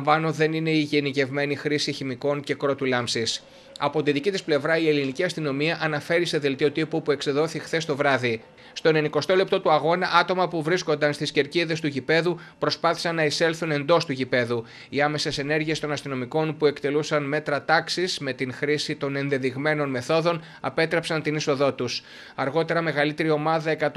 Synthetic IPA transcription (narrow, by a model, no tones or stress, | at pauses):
vɐno̞ðe̞nine̞iʝenice̞vme̞nixɾisiçimiko̞nce̞kɾo̞t̪ulɐmsis | ɐ̰po̞t̪inðicit̪isple̞vɾɐie̞liniciɐst̪ino̞miɐʔɐnɐfe̞ɾise̞ðe̞lt̪io̞t̪ipupue̞kseðo̞θixθe̞st̪o̞vɾɐði | st̪o̞ne̞niko̞st̪o̞le̞p̚t̪o̞t̪uɐɣo̞nɐʔɐt̪o̞mɐpuvɾisko̞nd̪ɐnst̪isce̞ɾciðe̞st̪uʝipe̞ðu | pɾo̞spɐθi̥sɐnːɐise̞lθune̞nd̪o̞st̪uʝipe̞ðu | iɐme̞se̞se̞ne̞ɾʝie̞st̪o̞nɐst̪ino̞miko̞npue̞kt̪e̞lusɐnme̞t̪ɾɐt̪ɐksisme̞t̪inxɾisit̪o̞ne̞nðe̞ðiɣme̞no̞nme̞θo̞ðo̞n | ɐ̰pe̞t̪ɾepsɐnt̪iniso̞ðo̞t̪us | ɐɾɣo̞t̪e̞ɾɐme̞ɣɐlit̪e̞ɾio̞mɐðɐe̞kɐt̪